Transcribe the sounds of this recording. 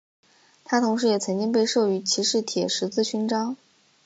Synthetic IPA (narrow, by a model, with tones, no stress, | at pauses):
t̪ʰa˥t̪ʰʊ˧˥ŋʂɻ̩˧˥jɛ˨˩t͡sʰɤ˧˥ŋt͡ɕi˥ŋp̬e˥˧ɪʂɤ˥˩y˧˥t͡ɕʰi˧˥ʂɻ̩˥˩t̪ʰjɛ˨˩ʂɻ̩˧˥t͡sɹ̩˥˩ɕy˧˥nʈ͡ʂɑ˥ŋ